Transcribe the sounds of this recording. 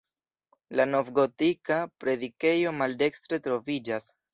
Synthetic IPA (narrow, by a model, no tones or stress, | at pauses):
lano̞vɡo̞tikapɾe̞dike̞jo̞malde̞kstɾe̞tɾo̞vid͡ʒas